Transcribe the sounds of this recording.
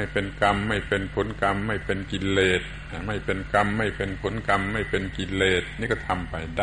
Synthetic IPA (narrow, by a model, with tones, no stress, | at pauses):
jpe˨nka˧mːa˥˩jpe˨˧npʰo˨˦nka˧mːa˥˩jpe˨nki˧leː˧˩t̪̚ | a˧˩ma˥˩jpe˨nka˧mːa˥˩jpe˨npʰo˨˦nka˧mːa˥˩jpe˨nki˧leː˧˩t̪̚niː˧˩kɔ˧˩t̪ʰa˧mpa˨jda˧